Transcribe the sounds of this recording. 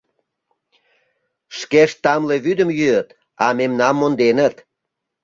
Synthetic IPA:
ʃkeʃt̪ɑmleβyd̪əmjyət̪ | ɑmemnɑmːond̪enət̪

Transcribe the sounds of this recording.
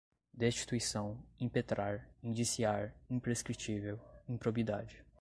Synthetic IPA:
d̪est͡ʃi̥t̪uisɐ̃w̃ĩpet̪ɾaɾĩnd͡ʒisiaɾĩpɾeskɾit͡ʃivewĩpɾobid̪ad͡ʒɪ

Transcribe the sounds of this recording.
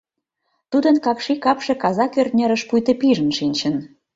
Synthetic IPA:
t̪ud̪ənkɑkʃikɑpʃĕkɑzɑkørt̪nʲəɾə̆ʃpujt̪ə̆piʒə̆nʃinʲt͡ɕə̆n

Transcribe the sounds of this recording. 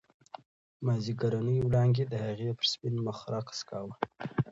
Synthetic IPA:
maziɡaɾanəjwlɑŋɡed̪əhaɣepəɾspɪnməxɾɑkḁskɑwə

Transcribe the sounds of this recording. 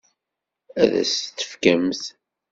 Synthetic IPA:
æðæ̰st̪ːə̥fkæmθ

